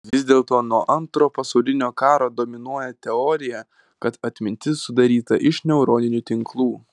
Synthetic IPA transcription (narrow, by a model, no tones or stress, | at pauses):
ʋʲɪzʲd̪ʲeːlˠt̪oːnuɔʔɐnt̪ɾoːpɐsɒʊlʲɪnʲoːkɑːɾoːd̪oːmʲɪnuɔjɛt̪ʲɛɔːɾʲɪjɛ | kɐt̪ɐt̪ʲmʲɪnʲt̪ʲɪsːʊd̪ɐɾʲiːt̪ɐʔɪʃnʲɛʊɾoːnʲɪnʲut̪ʲɪŋklˠuː